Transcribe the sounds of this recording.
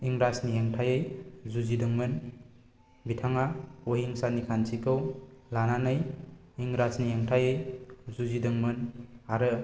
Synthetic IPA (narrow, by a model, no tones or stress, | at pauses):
iŋɾasnieŋtʰajɯjzuzidɯŋmɯn | bitʰaŋaoɦiŋsanikʰansikʰɯwlananɯj | iŋɾasnieŋtʰajɯjzuzidɯŋmɯnaɾɯ